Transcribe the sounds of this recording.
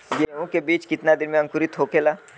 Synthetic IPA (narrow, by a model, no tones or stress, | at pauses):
jeũkebiːt͡ʃkɪt̪nad̪ɪnmẽɐ̃ŋkʊɾit̪ɦoːkelaː